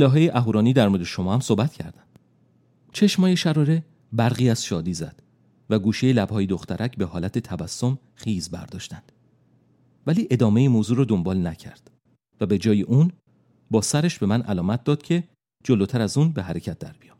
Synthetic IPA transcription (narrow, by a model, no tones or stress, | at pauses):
ʔelɒːɦejeʔæɦuːɾɒːniːd̪æɾmod̪eʃo̞mɒːhæmsoːbæt̪cʰæ̰ɾd̪ænd̪̥ | t͡ʃʰe̞ʃmɒːjeʃæɾɒːɾe̞ | bæɾɣiːæz̥ʃɒːd̪iːzæ̰d̪̥ | væɡuːʃejelæb̥hɒːjed̪oxt̪ʰæɾʔæcʰbe̞ɦɒːlæt̪ʰet̪ʰævæsːo̞m | χiːzbæ̰ɾd̪ɒːʃt̪ænd̪̥ | væliːʔe̞d̪ɒːme̞jemoːzuːɾɔːd̪ombɒːlnæcʰæ̰ɾd̪̥ | væbe̞d͡ʒɒːjeʔuːn | bɒːsæɾeʃb̥emænʔæ̰lɒːmæt̪̚d̪ɒːd̪̥cʰe̞ | d͡ʒolot̪ʰæɾæzuːnbe̞ɦæɾe̞cʰæt̪̚d̪æɾb̥ijɒm